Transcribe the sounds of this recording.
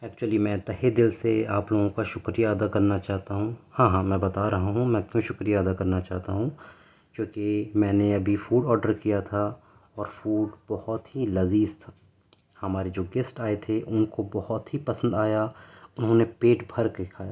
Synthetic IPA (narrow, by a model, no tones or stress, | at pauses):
ɛːk̚t͡ʃuwəlimɛ̃ːt̪ɐɦed̪ɪlseaːploːɡõkaʃʊkɾijad̪akɐɾnat͡ʃaːɦt̪aɦũhãːɦãːmɛ̃ːbɐt̪aɾɐɦaɦũmɛ̃ːk̪jõʃʊkɾijaːd̪akɐɾnat͡ʃaːɦt̪aɦũ | kjõːkemɛ̃ːneɐbʱifuːɖɔːɾɖəɾkijat̪ʰa | ɔːɾfuːɖbɔhɔt̪ɦilɐziːst̪ʰa | hɐmaːɾed͡ʒoːɡɪsʈaːet̪ʰeʔʊnkobɔhɔt̪ɦipɐsə̃nd̪aːjaʊnɦõnepeːʈbʱɐɾked̪ɪkʰaːjaː